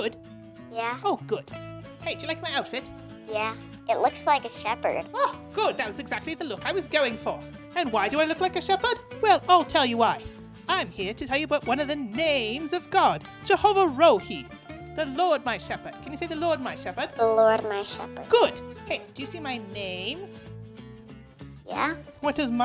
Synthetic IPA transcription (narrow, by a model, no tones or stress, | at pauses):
ɡ̥ʊd̥ | jæoʊɡ̥ʊd̥ | heɪdɨjɨlaɪk̚maɪaʊtfɪt̚ | jæ | ʔɨtˡlʊkslaɪkɨʃɛpə̰˞d̥ʌɡ̥ʊd̪̚ðɨt̚wʌzɨɡzæk̚tˡliðəlʊkaɪwʌzɡoʊɪ̃ŋfə˞ | ɨ̃nwaɪdɨaɪlʊklaɪkɨʃɛpə˞d̥wɛlˠaɪlˠtʰɛlˠjɨwaɪ | ãɪ̃mhiɹɾɨtʰɛlˠjɨəbaʊʔ̚wʌ̃nʌvðɨnẽɪ̃mzʌvɡɑd | d͡ʒəhoʊvəɹoʊhi | ðəlɔɹd̚maɪʃɛpə˞d̥̚kʰɨ̃njɨseɪðɨlɔɹd̚maɪʃɛpə˞d̥ðəlɔɹd̚maɪʃɛ̰pə̰˞ɡ̥ʊd̥heɪd̥ɨjɨsimaɪnẽɪ̃m | jæ̰wʌɾɨzm